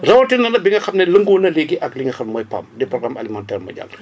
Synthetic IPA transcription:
rɐwɐtinɐnɐbiŋɡɐxɐmnɛləŋɡoːnɐleɡiʔɐkliŋɡɐxɐmmɔjpa̰mdɛpɾɔɡɾama̰limantɛrmɐ̰ɟa̰l

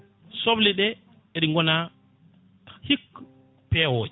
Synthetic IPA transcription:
sobliɗɛ | eɗiŋɡɔna | hik | pɛwoːd͡ʒ

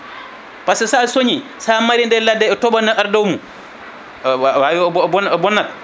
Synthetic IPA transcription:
pasɛsaːsoɲi | samaɾindɛladːɛɔtɔbanaʔaɾdɔwmu | wawiɔɔɔnɔbɔnːal

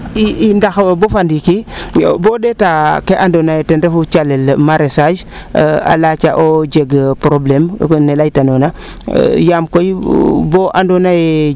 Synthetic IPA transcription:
iindaxwbofandikibodetakeʔandonajetenɾefut͡ʃalelmaɾesad͡ʒ | a̰lat͡ʃaʔod͡ʒeɡpɾoblemnelajtanona̰ | jamkojboʔandonaje

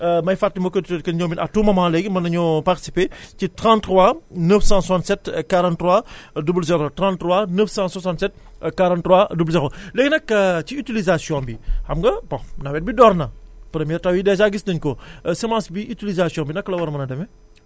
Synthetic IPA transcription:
mɐjfatːimɔkːədtːkɐnɲɔːminʔɐ̰tːuːmɐmãːlɛɡimɐnɐɲɔparti̥si̥peːcitɾãːntːrwanəfsãswsãntsɛtkaɾãntːrwadubəlzɛɾotɾãntːrwanəfsãːswɐsãːntsɛt̚ | kaɾãntːɾwadublzɛxolɛɡnɐkːɐciytilizasjɔ̃bihɐmɡɐbɔ̃nɐwɛːt̚bidɔɾnɐpɾɛmjɛːɾtɐwidɛːzaɡisdɐɲkɔsɛmãːsbiʔytilizasjɔ̃ːbinɐkːɐlɐwɐɾɐmɐnɐdɐmɛ

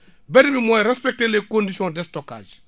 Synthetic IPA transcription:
bɛdimimɔɾɛspɛk̚telekõndisiɔ̃dɛstɔka̰ːd͡ʒ

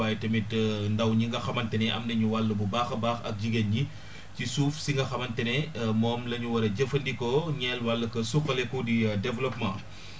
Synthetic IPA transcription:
aːjtɐmitndɐwɲiŋɡɐxɐmɐntɛnɛʔɐ̰mnɐɲuwɐlːɐbubaːxɐbaːxɐ̰k̚ɟiɡenɲi | cisuːfsiŋɡɐxɐmɐntɛnɛmɔːmlɐɲuwɐɾɐɟɐfɐndikɔɲɛːlwɐlːɐkɐsuxɐlɛkudidɛvlɔpmã̰

